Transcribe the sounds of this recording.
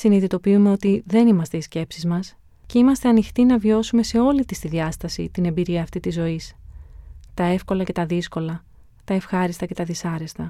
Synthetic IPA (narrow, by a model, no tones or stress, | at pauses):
siniðit̪o̞piume̞o̞t̪iðe̞nimɐst̪e̞isce̞psizmɐs | ce̞imɐst̪e̞ɐnixt̪inɐvjo̞sume̞se̞o̞lit̪ist̪iðʝɐst̪ɐsḭt̪ine̞mbiɾiɐːft̪it̪izo̞is | t̪ɐe̞fko̞lɐce̞t̪ɐðisko̞lɐ | t̪ɐe̞fxɐɾist̪ɐce̞t̪ɐðisɐɾe̞st̪ɐ